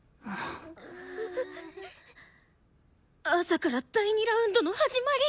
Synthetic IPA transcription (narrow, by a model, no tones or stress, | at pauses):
asakaɾat̪ːaiɲ̟iɾaɯ̟̃nd̪o̞no̞haʑimaɾʲi